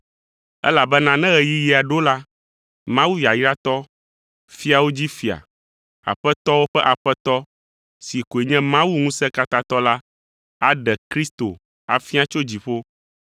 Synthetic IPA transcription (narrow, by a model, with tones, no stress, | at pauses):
ɛ̰˦la˨bɛ˦nã˦nɛ̃˦ɣɛ˨ji˦ji˦˨a˨ɖo˦la˦ | mã˦wu˦ji˨a˨ji˦ɖa˦t̪ɔ˦ | fi˦a˨wo˦d͡ʑi˦fi˨a̰˨ | a̰˨ɸɛ˦t̪ɔ˦wo˦ɸɛ˦ʔa˨ɸɛ˦t̪ɔ˦ | si˨ko˨e˨ɲɛ̃˦mã˦wu˦ŋũ˦sɛ̃˦ka˦tk̪a˦t̪ɔ˦la˦ | a˦ɖɛ˨kɾi˦st̪o˨ | a̰˨fi˦a˦t͡ʃo˦d͡ʑi˨ɸo˦